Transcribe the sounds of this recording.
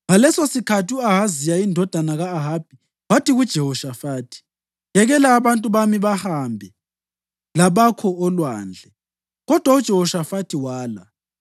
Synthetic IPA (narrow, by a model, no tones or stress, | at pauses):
ŋalɛsosikʰatʰuaɦazijaindʱɔd̥ʱanaɣaːɦaːb̥̚ʱi | watʰiɣud̥ʒ̥ʱɛɦɔʃafaːtʰi̥ | jɛɣɛlaːβantʼuβamiβahambʱɛ | laβakʰɔɔlwa̰ːnd͡ɮʱɛ | ɣɔd̥ʱwaud̥ʒ̥ʱɛhɔʃafatʰiwaːla̰